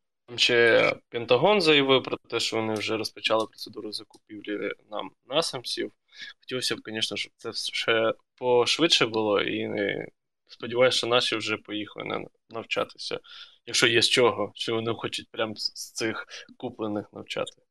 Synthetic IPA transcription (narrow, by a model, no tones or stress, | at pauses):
t̪ɑmʃɛpʲɛnt̪ɐɦɔnzɐjɐʋɪwpɾɔt̪ɛʃt͡ʃɔʋɔnɪwʒɛɾɔspɐt͡ʃɑlˠɪpɾɔt̪sed̪uɾʊzɐkʊpʲiwlʲḭnɑ̰mnɑsɐmsʲiw | xɔ̥tʲilˠɔsʲɐb̚kɔnʲɛʃnɐʃɔb̚t̪sɛʃɛpɔʃʋɪd̪ʃɛbʊlˠɔʔḭɪ̰ | spɔdʲiʋɑjʊst͡ʃɔnɑʃiwʒɛpɔjixlˠɪ̰nɛ̰ | nɐwt͡ʃɑ̰t̪ɪ̥sʲɐ̰jɐkʃt͡ʃɔjɛst͡ʃɔɦɔʃt͡ʃɔʋɔnɪxɔt͡ʃʊt̚ʲpɾʲamst̪ɪxkuplˠenɪxnɐwt͡ʃɑ̰t̪ɪ̥